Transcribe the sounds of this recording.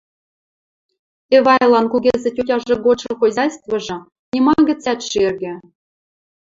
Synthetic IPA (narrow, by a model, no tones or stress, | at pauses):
evɑjlˠɑnkuɡʲezʲɘ̆tʲutʲɑʐɤ̆ɡot͡ɕɤ̆xojzɑjst̪vɤ̆ʐɤ̆ | nʲimɑɡʲɘ̆t͡sʲɑt̪ʃerʲɡʲɘ̆